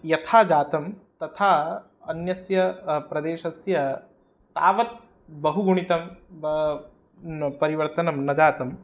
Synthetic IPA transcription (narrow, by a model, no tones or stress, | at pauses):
jɐt̪ʰaːd͡ʒaːt̪ɐmt̪ɐt̪ʰaː | ɐnjɐsjɐpɾɐd̪eːʃɐsjɐ | t̪a̰ːʋɐt̪̚ | bɐɦuɡuɳit̪ɐm | pɐɾiʋɐɾt̪ɐnɐmnɐd͡ʒaːt̪ɐm